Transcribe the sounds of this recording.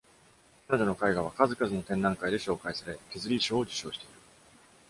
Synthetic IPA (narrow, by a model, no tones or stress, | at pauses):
kanad̪onokaiɡaβ̞akazɨkazɨno̞t̪ẽ̞nːãŋkaid̪e̞ɕo̞ːkaisaɾe̞kʲezɨɾʲiɕo̞ːd͡ʑɨ̥ɕo̞ːɕi̥t̪e̞iɾɯ̟